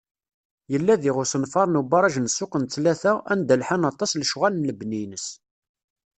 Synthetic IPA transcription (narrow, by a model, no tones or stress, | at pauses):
jəlːæðiʁʊsənfɑɾˤnubɑɾˤɑʒnsːʊqənt͡s̪læθæænd̪əlħanɑt̪ˤːɑslʃʁælənːəbninəs